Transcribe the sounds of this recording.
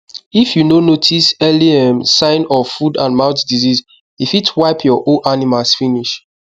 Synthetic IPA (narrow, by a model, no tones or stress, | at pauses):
ifjunonotʰisɛliɛ̃msãɪ̃nɔvfudã̰nmaʊtdiziz | ifitʰwaɪpʰjɔʔoʔanimalsfiniʃ